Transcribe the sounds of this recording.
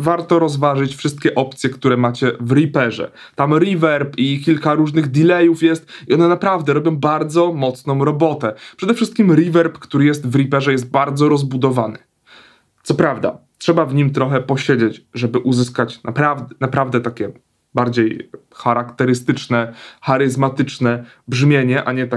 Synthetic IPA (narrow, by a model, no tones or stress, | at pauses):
vaɾt̪ɔɾɔzvaʐɘt͡ɕfʂɘst̪kʲɛʔɔpt̪sʲjɛkt̪uɾɛmat͡ɕɛvɾipɛʐɛ̰ | t̪amɾivɛɾpikʲilkaɾuʐnɘɣd̪ʲilɛjufjɛst̪iɔnɛnapɾavd̪ɛɾɔbʲjɔ̃w̃baɾd̪zɔmɔt̪snɔ̃w̃ɾɔbɔt̪ɛpʂɛd̪ɛfʂɘst̪̚kʲimɾivɛɾpkt̪uɾɘjɛst̪vɾipɛʐɛjɛs̬t̪̚baɾd̪zɔɾɔzbud̪ɔvanɘ | t̪sɔpɾavd̪a̰ | tʂɛbavɲimt̪ɾɔxɛpɔɕed͡ʑet͡ɕʐɛbɘʔuzɘskat͡ɕnapɾavd̪napɾavd̪ɛt̪akʲɛ | baɾd͡ʑej | xaɾakt̪ɛɾɘst̪ɘt͡ʂnɛxaɾɘzmat̪ɘt͡ʂnɛ | bʐmʲjeɲɛʔaɲɛt̪a